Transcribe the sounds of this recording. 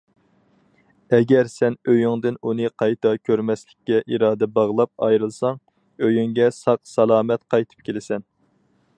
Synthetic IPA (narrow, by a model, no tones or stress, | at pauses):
ɛɡʲɛɾsɛnøjyŋd̪ɪnunɨqʰɑjt̪ʰɑkʲʰøɾmɛslɪkʲːɛʔiɾɑːd̪ɛbɑʁlˠɑp̚ɑ̰jɾɨlˠsɑŋ | øjyŋɡʲɛsɑqsɑlˠɑːmɛt̪qʰɑjt̪ʰɨ̥p̚kʲʰelɪsɛn